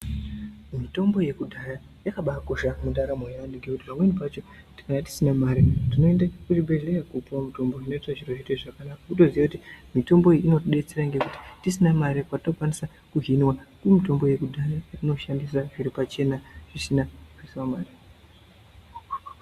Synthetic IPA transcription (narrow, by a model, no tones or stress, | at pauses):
mito̞mbo̞je̞kudʱaja | jakaɓakoʃamundaɾamojandiɡʱekutipamwe̞nipat͡ʃo̞ | tkanati̥sinamaɾitino̞endakutibe̞ɮlejakupwamito̞mbo̞ino̞itaʐiroʐiteʐakanakakuto̞ziakutimito̞mbo̞iino̞tɗe̞t͡seɾaŋɡe̞kuti̥tisinamaɾekwatino̞kwanisa | kuɦinwakumito̞mbo̞je̞kudʱajajatino̞ʃandisaʐiɾipat͡ʃe̞naʐ̥isinaʐisiwamaːri